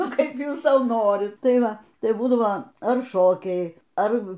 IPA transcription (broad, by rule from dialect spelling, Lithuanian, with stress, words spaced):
ˈnʊ ˈkɐɪp ˈjuːs ˈsɐʊ ˈnoːrʲɪt ˈtɐɪ ˈʋɐ ˈtɐɪ ˈbuːdɐʋoː ɐr ˈʃoːkʲɛɪ ˈɐr